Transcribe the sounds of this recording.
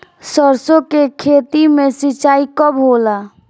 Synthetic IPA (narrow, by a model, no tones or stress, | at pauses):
səɾsõkekʰet̪imẽsit͡ʃaːikəbɦola